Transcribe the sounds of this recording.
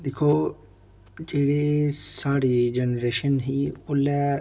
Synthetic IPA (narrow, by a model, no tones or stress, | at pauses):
d̪ekʰoː | d͡ʒeːɽeːsaːɾeːd͡ʒɛnɾeːʃənɦiːolɛː